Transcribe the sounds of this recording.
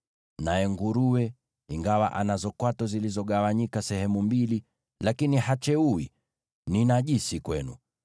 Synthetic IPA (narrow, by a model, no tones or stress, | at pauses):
najɛŋɡuɾuwɛ | iŋɡawaʔanazɔkwatɔzilizɔɠawaɲikasɛhɛmumbili | lakinihat͡ʃɛuwi | ninaʄisikwɛnṵ